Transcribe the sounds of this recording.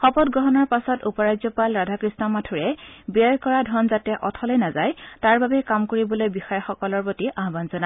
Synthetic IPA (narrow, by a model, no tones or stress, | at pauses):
xɔpɔt̚ɡɹɔɦɔnɔɹpasɔtupɔɹajzɔpalɹadʱakɹisnɔmatʰuɹɛbiɔjkɔɹadʱɔnzatɛʔɔtʰɔlɔjnazajtaɹbabɛkamkoɹibɔlojbixɔjɔxɔkɔlɔɹpotiʔaɦbanzɔna